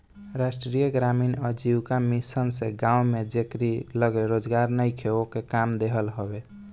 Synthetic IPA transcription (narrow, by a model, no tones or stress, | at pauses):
ɾasʈɾijəɡɾaminəd͡ʒiwkamisənsẽɡãumed͡ʒekɾiləɡeɾod͡ʒɡaɾnəjkʰeokekamd̪eɦəlɦɔbe